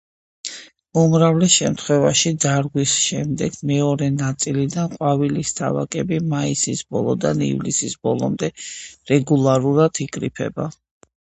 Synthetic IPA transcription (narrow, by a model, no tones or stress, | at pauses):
umɾavlɛsʃɛmt̪ʰχwɛvaʃid̪zaɾɡwisʃɛmd̪ɛɡ̥mɛɔɾɛnat̪sʼilid̪anqʼwavilist̪ʰa̰va̰kʼɛbimaisisbɔlˠɔd̪anḭvlisisbɔlˠɔmd̪ɛɾɛɡulˠaɾuɾat̪ʰikʼɾipʰɛ̰ba